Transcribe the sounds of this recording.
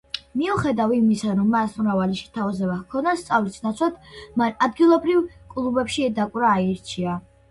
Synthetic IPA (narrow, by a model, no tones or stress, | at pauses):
miuχɛd̪avimisaɾɔmːasmɾavalɛʃi̥t̪ʰavazɛvahkʰɔnast̪sʼavlisnat̪sʰwat̪ʰmanad̪̚ɡilˠɔbɾivkʼlˠubɛpʃiɛd̪akʼwɾaːiɾt͡ʃʰia